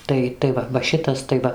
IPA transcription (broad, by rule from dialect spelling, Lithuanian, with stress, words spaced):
ˈtɐɪ tɐɪ ˈʋɐ ʋɐ ˈʃʲɪtɐs tɐɪ ˈʋɐ